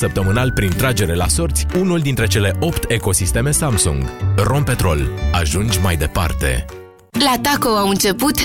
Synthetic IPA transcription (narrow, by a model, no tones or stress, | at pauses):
səpt̪əmɨnalpɾint̪ɾad͡ʒe̞ɾe̞la̰so̞rt̪sʲunuld̪int̪ɾe̞t͡ʃe̞le̞ʔo̞pt̪ʰe̞ko̞sist̪e̞me̞samsṵŋɡro̞mpe̞t̪ɾo̞̰laʒund͡ʒʲmajd̪e̞pa̰rt̪e̞̰ | lat̪akoaɨnt͡ʃe̞put̪